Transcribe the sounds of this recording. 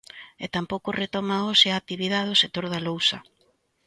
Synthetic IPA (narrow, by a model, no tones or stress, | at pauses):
et̪ampowkʊret̪ɔmaoʃɪak̚t̪iβiðaðosek̚t̪oɾðalowsɐ